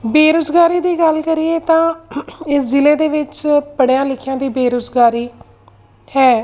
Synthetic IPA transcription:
beːɾoːzɡaːɾiːd̪iːɡəlkəɾieːt̪ãːɪszɪleːd̪eːʋɪt͡ʃpəɽejãːlɪkʰjãːd̪iːbeːɾozɡaːɾiː | hɛː

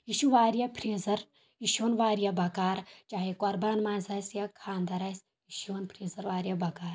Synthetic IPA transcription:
iʃuʋaːɾjɐpʰɾeːzɐɾ | iʃoːnʋaːɾijɐbɐkaːɾt͡ʃaːɦekoɾbaːnmaːnzɐːsjɐkʰaːnd̪ɐɾɐs | iʃoːnpʰɾeːzɐɾʋaːɾjɐbɐkaːɾ

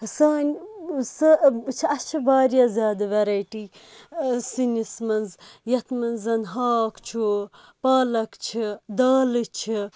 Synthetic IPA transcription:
saːnʲsɨt͡ʃʰiɐst͡ʃʰibaːɾjazʲjaːd̪ɐʋɐɾɐjʈi | sinismɐnzjɐt̪ʰmɐnzɐnɦaːkt͡ʃʰu | paːlɐkt͡ʃʰid̪aːlɨt͡ʃʰi

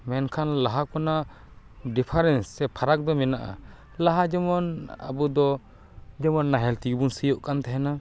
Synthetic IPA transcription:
mɛnkʰanlaɦakɔna | ɖipʰaɾɛnsːɛpʰaɾak̚d̪ɔmɛnaʔa̰ | laɦad͡ʒɔmɔna̰bud̪ɔ | d͡ʒɔmɔnːaɦɛlt̪iɡbunsijɔʔkant̪ɛɦɛna

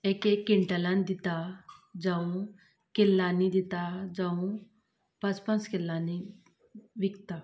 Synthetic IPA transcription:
ekekːɪ̃ɳʈəlãnd̪ɪt̪ad͡ʒaũ | kɪlːaːnid̪ɪt̪ad͡ʒaũ | pɐspə̃nskɪlːaːni | ʋɪk̚t̪aː

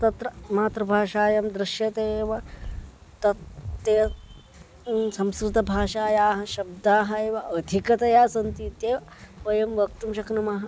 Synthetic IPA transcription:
t̪ɐt̪ɾɐmaːt̪ɾɐbʱaːʂaːjɐmd̪ɾɪʃjɐt̪eːʋɐ | t̪ɐt̪ːeː | sɐmskɾɪt̪ɐbʱaːʃaːjaːɦɐ̆ʃɐb̚d̪aːɦɐeːʋɐʔɐd̪ʱikɐt̪ɐjaːsɐnt̪iːt̪jeːpɐjɐmʋɐk̚t̪umʃɐknumɐɦɐ

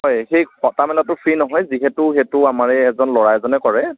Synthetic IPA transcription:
ɦɔjxejkɔtamɛlatʊpʰɹinɔɦɔjziɦɛtʊxɛtʊamaɹɛːzɔnlɔɹajzɔnɛkɔɹɛ

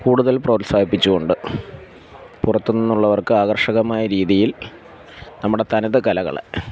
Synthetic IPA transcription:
kuːɽuðɐlprɐːt̪saːbipːit͡ɕːuɣo̞ɳɖɨ | purɐt̪ːunːinːuɭːɐʋɐrkɨaːɣɐrʂɐɣɐmaːjɐɾiːðijil | nɐmːuɽe̞t̪ɐnɐðɨkɐlɐɣɐ̰ɭḛ

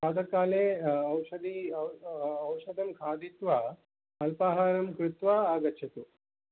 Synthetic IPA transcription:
kaːd̪ɐkaːleɐwʃɐd̪iː | wʃɐd̪ʱɐmkʰaːd̪it̪ʋa | ɐlpaːɦaːɾɐmkɾut̪ʋaaːɡɐt͡ʃʰɐt̪u

